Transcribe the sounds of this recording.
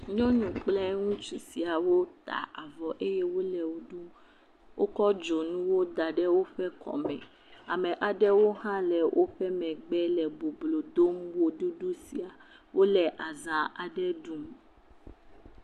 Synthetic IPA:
ɲɔ̃˦nũ˨k͡plɛ˦ŋũ˦t͡ʃu˦si˨a˨wo˦t̪a̰˨ʔa˨vɔ˨ʔe˦jɛ˦wo˦lɛ˨wo˨˦ɖu˦m | wʔo˦kɔ˦d͡ʒo˨nũ˦wo˦d̪a˨ɖɛ˦wo˦ɸɛ˦kʰɔ̰˨mɛ̰̃˨ | a˨mɛ̃˨ʔa˨ɖɛ˦wo˦ɦã˦lɛ˨wʔo˦ɸɛ˦mɛ̃˨ɡ͡bɛ˦lɛ˨bo˨blo˨d̪o˦mwo˦ɖu˦ɖu˦si˨a˨wo˦lɛ˨ʔa˨zã˦ʔa˨ɖɛ˦ɖu˦m

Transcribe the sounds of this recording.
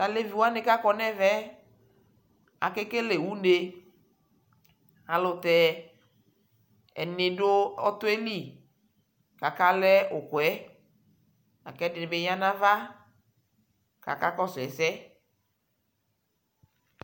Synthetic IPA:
ta˨le˦vi˨wa˦nẽ˨ka˦kɔ˨nɛ˦vɛ˦ | a̰˨ke˦ke˦le˨wu˦ne˨ | a˨lʊ˨t̪ɛ˨ | ɛ˨nɪ˨dʊ˦ɔ˦t̪ʊ˦e˦li˦˨ | ka˨ka˦lɛ˦ʔʊ˨kʊ˨ɛ˦ | a̰˨kɛ˦dɪ˨nɪ˨be˦ɲã˦nã˦va˦ | ka̰˨ka˦kɔ˦sɛ˨sɛ˦

